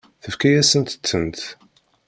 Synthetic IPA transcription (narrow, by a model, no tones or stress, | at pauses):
θəfkæjæsənt̪ə̥t͡sːənt̪